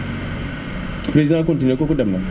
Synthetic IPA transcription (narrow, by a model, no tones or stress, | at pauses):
pɾezidãakõntinkokodamna